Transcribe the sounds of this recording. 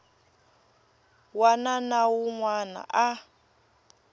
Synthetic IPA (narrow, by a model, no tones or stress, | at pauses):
wananawuŋwana̰ʔa